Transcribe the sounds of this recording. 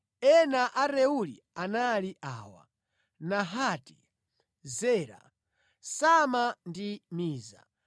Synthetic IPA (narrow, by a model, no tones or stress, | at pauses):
ɛnaʔaɾɛulḭ | analiʔa̰ːwa̰ | naɦaːti̥ | zɛːɾa̰ | samandimiːza̰